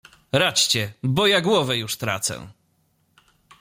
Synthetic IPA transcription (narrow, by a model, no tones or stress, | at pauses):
ɾat͡ɕt͡ɕɛbɔjaɡwɔvɛjuʂt̪ɾa̰t̪sɛ̰